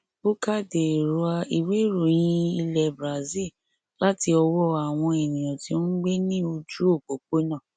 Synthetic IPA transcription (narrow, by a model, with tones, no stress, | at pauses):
bo˦ka˦˨de˨ɾu˨˧a˧i˨we˦ɾo˦˨j̃ĩ˦i˧lɛ˨bɾa˨zi˦˨ | la˦ti˧ɔ˧wɔ˦a˨w̃ɔ̃˧ɛ˨nĩ˨j̃ɔ̃˨ti˧o˦n̩˦ɡ͡be˦nĩ˦o˧d͡ʒu˦o˦˨k͡po˨k͡po˦nã˦˨